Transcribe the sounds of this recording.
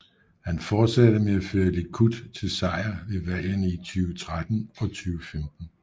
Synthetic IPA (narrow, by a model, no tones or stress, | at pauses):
hænfɒːd̥sæd̥əmeæføːɐle̝kʰud̥t͡sʰe̝lsɑ̈ɪ̰ɐʋe̝ʋæl̰ənit͡sʰyːʊət͡sʰʁad̥n̩ɒ̽t͡sʰyːʊəfemd̥n̩